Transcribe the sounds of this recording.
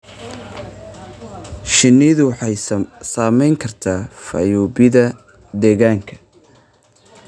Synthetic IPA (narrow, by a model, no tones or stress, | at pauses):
ʃɪnːɪðʊwħɑjsaːmɛjŋkʰɐrt̪ʰaːfɐ̰juːbɪðɐ | d̪ɛːɣaːŋkʰɐ̥